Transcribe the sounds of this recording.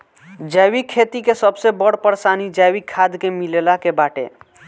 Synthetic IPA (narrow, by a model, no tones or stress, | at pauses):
d͡ʒawikʰet̪ikesəbsebəɽpəɾsanid͡ʒawikʰad̪kemilelakebaʈḛ